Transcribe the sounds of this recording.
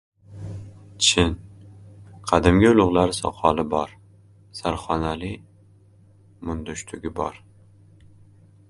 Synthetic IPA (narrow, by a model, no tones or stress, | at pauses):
t͡ʃʰɪn | qʰɑd̪ɪmɡʲɪʊlˠʊʁlˠaɾsɒ̰qʰɒlɪbɒɾ | saɾχɒnalɪ | mʊnd̪ʊʃt̪ʰʊɡʲɪbɒ̰ɾ